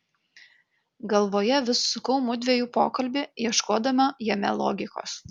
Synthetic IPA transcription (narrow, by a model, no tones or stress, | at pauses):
ɡɐlˠʋoːjɛʋʲɪssʊkɐʊmʊd̪ʲʋʲɛjuːpoːkɐlʲbʲɪjiɛʃkoːd̪ɐmɐjɛmʲɛlˠɔ̰ːɡʲɪko̰ːs